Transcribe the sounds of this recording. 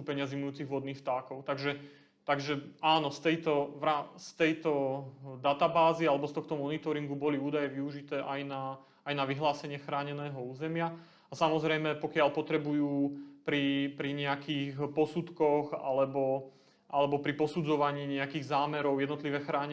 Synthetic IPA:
upɛɲɪazimnʊjuːt͡siɣʋɔd̪niːxft̪aːkɔʊt̪aɡʒɛ | t̪aɡʒɛaːnɔst̪ɛjt̪ɔʋɾast̪ɛjt̪ɔd̪at̪abaːzialɛbɔst̪ɔxt̪ɔmɔnit̪ɔɾiŋɡubɔliuːd̪ajɛʋiuʒit̪ɛːʔajnaː | jnaʋiɦlaːsɛɲɪɛxɾaːɲɛnɛːɦɔuːzɛmɪa | asamɔzɾɛjmɛpɔkɪalpɔt̪ɾɛbujuːpɾipɾiɲɛakʰiːxpɔsut̪kɔxa̰lɛbɔ | ʔalɛbɔpɾipɔsud͡zɔʋaɲiːɲɛakiːɣzaːmɛɾɔʊjɛd̪nɔt̪liʋɛxɾaːɲ

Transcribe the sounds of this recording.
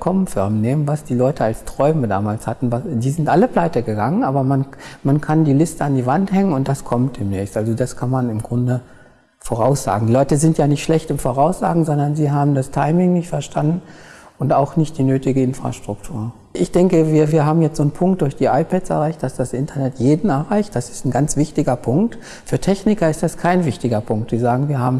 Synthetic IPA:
kʰɔmnfɪɐmneːmənvasd̥iːlɔʏtʰəalstʁ̥ɔʏməda̰ːmaːlshatn̩vasd̥iːzɪntʔaləpl̥aɪtəɡəɡaŋənʔaːbɐmanmankʰandiːlɪstəandiːvanthɛŋənʊnt̚d̥askʰɔmt̚d̥eːmnɛːçstʔalzodaskʰanmanɪmɡʁʊndə | foʁ̞aʊsz̥a̰ːɡŋdiːlɔʏtəzɪntjaːnɪçtʃlɛçtɪmfoʁaʊsz̥a̰ːɡŋ̩zɔndɐnziːɦaːbm̩dastʰaɪmɪŋnɪçtfɛɐʃtʰandn̩ʔʊntaʊxnɪçt̚d̥iːnøːtɪɡəɪnfʁ̥a̰ʃtʁ̥ʊk̚tʰuːɐ | ʔɪçd̥ɛŋkəviːɐviːɐɦaːbm̩jɛt͡stz̥oːnpʰʊŋk̚t̚d̥ʊɐçd̥iːʔaɪpʰɛtsɛ̰ɐʁaɪçt̚d̥asd̥asʔɪntʰɐnɛtjeːdn̩ɛɐʁaɪçt̚d̥asɪ̥stn̩ɡant͡sv̥ɪçtɪɡɐpʰʊŋk̚t | fyːɐtʰɛçnɪkɐɪstd̥askʰaɪnvɪçtɪɡɐpʰʊŋk̚tz̥iːzaːɡŋ̩viːɐha̰ːbm̩

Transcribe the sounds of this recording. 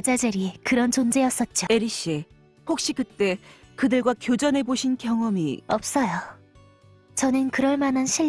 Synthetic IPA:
d͡ʑad͡ʑɯɾikɯɾʌnt͡ɕond͡ʑe̞jʌs͈ʌt̚t͡ɕ͈oeɾiɕ͈i | hok̚ɕ͈ikɯt͈e̞kɯdɯɭɡwakjod͡ʑʌne̞boɕʰinkjʌŋʌmḭʌp̚s͈ʌjo | t͡ɕʌnɯnkɯɾʌɭmananɕʰi

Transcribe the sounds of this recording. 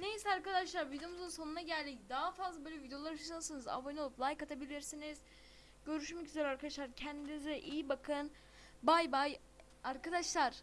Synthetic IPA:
nejisɛaɾkad̪aʃlˠaɾvid̪eomuzunso̞nunaɟælʲd̪ʲicd̪aɦafazlˠabøjlʲɛvid̪eo̞lˠaɾaʃaʃalˠsɯnɯza̰vojnolˠuplˠajkat̪ʰabilʲiɾsiniz̥ | ɟø̞ɾyʃmɛcyzeɾaɾkʰad̪aʃlˠaɾcʰɛnd̪inizɛʔijibakʰɯn | bajbaj | aɾkad̪aʃlˠaɾ̥

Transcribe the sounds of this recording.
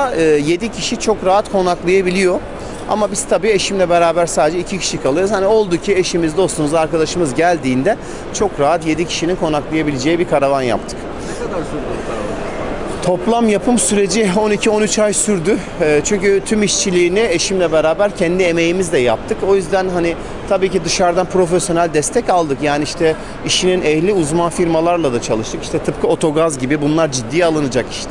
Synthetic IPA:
ɯːje̞d̪icʰiʃit͡ʃʰo̞kɾaɦat̪kʰo̞naklˠajabilʲijo̞ | a̰mabiz̥t̪ʰabiːeʃimlʲɛbeɾaːbæɾsaːd̪ed͡ʒɛicʰicʰi̥ʃikʰalˠɯɾɯzhanio̞lˠd̪ucʰie̞ʃimizd̪o̞st̪umuzaaɾkad̪aʃɯmɯzɟælʲd̪iːnd̪ɛ | t͡ʃʰo̞kɾaɦat̪je̞d̪icʰi̥ʃininkʰo̞naklˠajabilʲed͡ʒe̞jibikʰaɾavanja̰p̚t̪ʰɯ̥k | d̪ | t̪ʰo̞plˠamjapʰɯmsyɾe̞d͡ʒio̞nicʰio̞nyt͡ʃajsyɾd̪yː | t͡ʃʰyɲcyt̪ʰymiʃt͡ʃʰilʲiːnie̞ʃimlʲɛbeɾaːbæɾcʰɛnd̪ie̞me̞jimizd̪ʲɛja̰p̚t̪ʰɯko̞jyzd̪ænɦani | t̪ʰabiːcid̪ɯʃaɾd̪anpɾo̞f̬esjo̞nælʲd̪ɛst̪ʰɛcalˠd̪ɯkjaːniiʃt̪ʰɛ | iʃininɛhlʲiuzmanfiɾmalˠaɾlˠad̪at͡ʃʰalˠɯʃt̪ʰɯki̥ʃt̪ʰɛt̪ʰɯp̚kʰɯo̞t̪ʰo̞ɡazɟibibunlˠaɾd͡ʒid̪ːijalˠɯnɯd͡ʒaki̥ʃt̪ʰɛ

